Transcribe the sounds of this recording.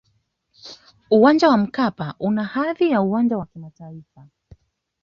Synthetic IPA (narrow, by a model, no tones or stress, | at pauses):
uwand͡ʒawam̩kapaʔunahaðijauwand͡ʒawakimataifa